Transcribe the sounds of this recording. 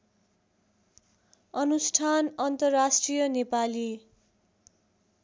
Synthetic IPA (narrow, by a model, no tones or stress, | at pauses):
ʌnusʈʰanʌnt̪ʌrːasʈrijʌnepali